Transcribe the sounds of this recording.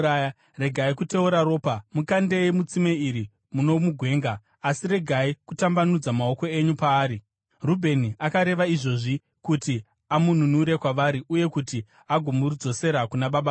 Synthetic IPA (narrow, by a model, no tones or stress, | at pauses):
aj | re̞ɡʱaikute̞uɾaɾo̞ːpamukande̞imut͡simeiɾi | muno̞muɡʱwe̞ːŋɡaː | sire̞ɡʱaikutambanud͡zamao̞ko̞e̞ɲupaːɾi | rubʱe̞niakaɾe̞ʋaiʐo̞ʐi | kuti | amun̤unuɾe̞kwaʋaɾiʔuje̞kuti | aɡʱo̞murud͡zo̞se̞ɾakunaɓaɓa